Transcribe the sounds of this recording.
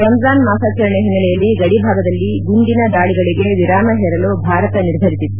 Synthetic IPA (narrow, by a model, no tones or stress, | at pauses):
ɾɐnzaːnmaːsaːt͡ʃɐɾɐɳɛɦinːɐlɛjɐlːiɡɐɽibʱaːɡɐd̪ɐlːiɡuɳɖ̪inɐd̪aːɭiɡɐɭiɡe̞ʋiɾaːmɐɦɛɾɐlobʱaːɾɐt̪ɐniɾd̪ʱɐɾisit̪